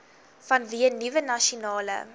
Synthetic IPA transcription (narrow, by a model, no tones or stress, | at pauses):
fɐnviənivənɐʃionɑːlə̰